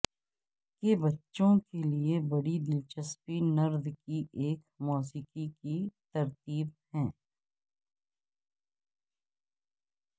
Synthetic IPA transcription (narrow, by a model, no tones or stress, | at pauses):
kebɐtːʃõkeliebɐɽid̪ɪlt͡ʃəspinɐɾd̪ʱkiʔeːk | moːsiːkikit̪ɐɾt̪iːb̚hɛ̃ː